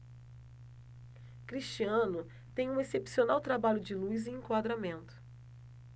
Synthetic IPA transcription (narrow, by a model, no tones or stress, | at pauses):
kɾist͡ʃiɐ̃nʊ | t̪ẽj̃ũesepsionawt̪ɾabaʎʊd͡ʒɪlujzẽẽkwad̪ɾamẽnt̪ʊ̥